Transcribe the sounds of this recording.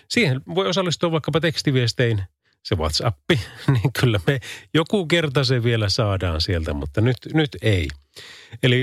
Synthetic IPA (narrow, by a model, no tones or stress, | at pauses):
siːhenʋoijosɑlːist̪uɑʋɑˑikːɑpɑt̪ekst̪iʋiest̪ein | seʋuɑ̰t̪sɑpːiniːŋkylːæmejokukert̪ɑseʋʋielæsɑːdɑ̰ːnsielt̪æmṵt̪ːɑnyt̪nyt̪ei | eli